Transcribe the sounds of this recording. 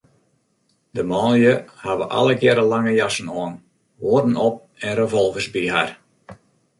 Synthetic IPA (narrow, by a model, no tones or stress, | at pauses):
dəmɔːnjəhaʋə̰ʔa̰lˠəɡjɛɾəlaŋəjasən̩ɔːn | ʋoːrdən̩ɔp̚ | ɛnrəvɔlˠvəsbiɦa̰r